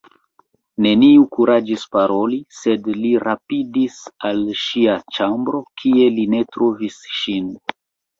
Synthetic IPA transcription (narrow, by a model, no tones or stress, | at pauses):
ne̞niukuɾad͡ʒispaɾo̞lise̞dliɾʔapidisalʃiat͡ʃambɾo̞kʰie̞line̞tɾo̞visʃin